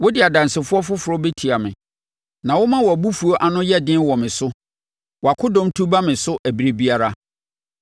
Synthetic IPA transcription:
wʊ˦dɪ˨a˨dã˨nsɪ˨fʊ˦ɔ˦fʊ˦fʊ˨ɾɔ˦be˦tʰi˨a˨mɪ̰̃˨ | nã˨wʊ˦mã˦wɔ˨æ˨bu˦fu˨o˦ʔa˨nʊ̃˦jɛ˦dɪ̃˦n˦wɔ˨mɪ̃˨sʊ˦ | wɔ˨a˨kʰʊ˦dɔ̃˦mtʰu˦ba˦mɪ̃˨sʊ˦ʔæ˨bi˨ɾe˨bi˦a˦ɾa˦

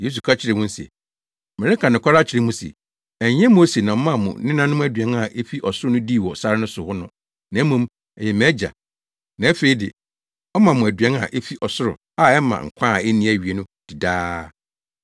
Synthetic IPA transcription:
je˦s̬u˨kʰa˦t͡ɕʰɪ˦ɾɪ˨mʊ̃˦n̩˦sḛ˨ | mɛ˨ɾe˦kʰã˨nʊ̃˨kʰa˦ɾa˦t͡ɕʰɪ˨ɾɪ˨˦mũ˦sḛ˨ | ɛ˨ɲɲ˦ɛ̃˦m˦o˦se˨nã˨ɔ˦mã˦mʊ̰̃˨nɪ̃˦nã˦nʊ̃˦m̃˦æ˦dɥɛ˦na˨ʔe˦fi˦ʔɔ˨sʊ˦ɾʊ˦nʊ̃˦diː˦˨wɔ˨sa˦ɾɪ˦nʊ̃˦sʊ˨hʊ˦nʊ̃˦ | nã˨˦mũ˦m | ɛ˨jɛ˨mɛ˦d͡ʑa̰˨ | nã˨˦æ˦fe˨i˦dɪ̰˨ | ɔ˦mã˨mʊ̃˨æ˨dɥɛ˦na̰˨ʔe˦fi˦ʔɔ˨sʊ˦ɾʊ̰˨ | a˦ɛ˦mã̰˨ŋ̩˨kʷʰã˦a˨ɛ˦nĩ˦˨æ˨ɥi˨e˨nʊ̃˦d̥i˨daː˦

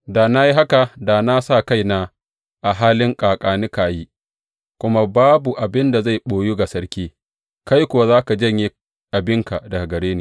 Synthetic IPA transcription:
daː˨na˦ji˦ɦa˦ka˨da˨na˦sa˦˨ka˦jnaː˦ | ʔa˨ɦaː˦lɪ˦ŋkʼaː˨kʼaː˨nɪ˦kaː˨jiː˦ | kʷʊ˦ma˦baː˦bu˨ʔa˨bɪ˦nda˨za˦˨jɓoː˨ju˦ɡa˨sɐ˦ɾkʲiː˦ | ka˦jkʷʊ˨wa˦zaː˦ka˨d͡ʒɐ˦˨ɲji˦ | ʔa˨bɪ˦ŋka˨dɐ˨ɡa˨ɡɐ˨ɽeː˦neː˨

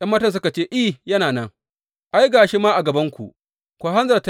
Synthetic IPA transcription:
j̰ɐ˦mːɐː˦tɐ˨ns̬ʊ˦ka˨t͡ʃeː˦ʔi˦˨jɐ˦naː˨nɐ˦ŋ | ʔa˦jɡaː˨ʃeː˦maː˦ʔa˨ɡɐ˨bɐ˦ŋkʷṵ˨ʔ | kʷaː˦ɦa˦nzɐ˨rta˦

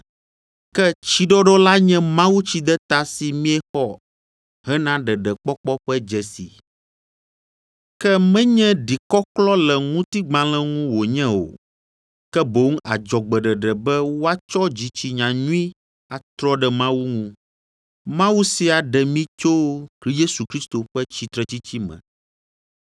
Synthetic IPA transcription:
kɛ˦t͡ɕi˦ɖɔ˦ɖɔ˦la˦ɲɛ̃˦mã˦wu˦t͡ɕi˦d̪ɛ˦t̪a˦si˨mĩ˦ɛ˦xɔ˦˨ | ɦɛ˦nã˦ɖɛ˨ɖɛ˨k͡pɔ˦k͡pɔ˦ɸɛ˦d͡ʒɛ˨sḭ˨ | kɛ˦mɛ̃˦ɲɛ̃˦ɖi˨kɔ˦klɔ˦lɛ˨ŋũ˦t̪i˦ɡ͡bã˦l̃ɛ̃˦ŋũ˦wo˨ɲɛ̃˦o̰˨ | kɛ˦bo˦ŋ˦a˨d͡ʒɔ˨ɡ͡bɛ˨ɖɛ˨ɖɛ˨bɛ˦wwo˦a˦t͡ʃɔ˦d͡ʑi˨t͡ɕi˨ɲã˨ɲũ˦ĩ˦ | a˨t̪ɾɔ˦ɖɛ˨mã˦wu˦ŋũ˦ | mã˦wu˦si˨a˨ɖɛ˨mĩ˦t͡ʃo˦kli˦je˦su˨kɾi˦st̪o˨ɸɛ˦t͡ɕi˨t̪ɾɛ˨t͡ɕi˦t͡ɕi˦mɛ̰̃˨

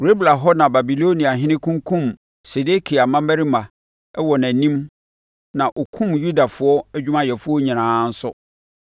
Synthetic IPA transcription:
ɾe˦bla˨ɦɔ˦nã˨ba˨bi˨lo˦nĩ˨a˨ɦɪ̃˦nɪ̃˦kʰũ˦ŋkʰũ˦˨m | se˨de˦kʰi˨a˨mã˦mɛ˦ɾi˦mã˨ | ɛ˦wɔ˨næ̃˨nĩ˦m | nã˨ʔo˨kʰũ˦˨mju˦da˨fʊ˨˦ɔ˦æ˦d͡ʑᶣu˦mã˦jɛ˨fʊ˦ɔ˦ɲĩ˨nãː˨˦n̩˦sʊ˦

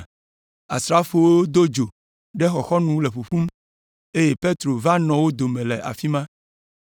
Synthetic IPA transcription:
a̰˨sɾa˦fo˨wo˦o˦d̪o˦d͡ʒo˨ | ɖɛ˦xɔ˨xɔ˦nũ˦le˨ɸu˨ɸu˦m | e˦je˦pe˦t̪ɾo˨va˦nɔ̃˨wo˦d̪o˨mẽ˨lɛ˨ʔa̰˨fi˦mã˦

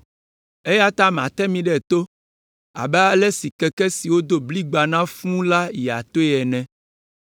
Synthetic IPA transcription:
e˦ja˦t̪a˦m˨ã̰˨t̪ɛ˦mĩ˨ɖɛ˨t̪o˦ | a̰˨bɛ˦a˦lɛ˦si˨kɛ˨kɛ˦si˨wo˦d̪o˦bli˦ɡ͡ba˨nã˦fũ˦la˦jɛ˨a̰˨t̪o˦ɛ˨nɛ̃˨

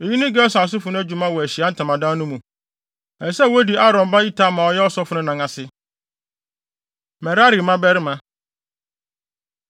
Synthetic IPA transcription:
e˨ji˦nʊ̃˦ɡɛ˦ɔ˦sa˨s̬ʊ˦fʊ˨nʊ̃˦æ˦d͡ʑu˨mã˦wɔ˨æ˨ɕi˨a˨˦n̩˦tʰã˨mã˨dãː˦nũ˦mũ˨ | ɛ˨sɛ˦˨wo˦di˨a˦ɾɔ̃˨mba˦i˦tʰa˦˨mã˨ɔ˨˦jɛ˦ɔ˦sɔ˦fʊ˦nʊ̃˦nã˨ŋã˨sɪ˦ | mɛ˨ɾa˦ɾi˨mã˦bɛ˦ɾɪ˦mã˨

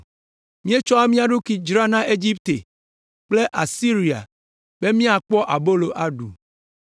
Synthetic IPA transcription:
mĩ˦e˦t͡ʃɔ˦a˦mĩ˦a˨ɖu˦ki˨d͡ʒɾa˦nã˦ʔe˦d͡ʑi˦pt̪e˨ | k͡ple˦ʔa˨si˦ɾi˨a̰˨ | b̥e˦mĩ˦a˨k͡pɔ˦ʔa˨bo˦lo˨ʔa˦ɖṵ˨

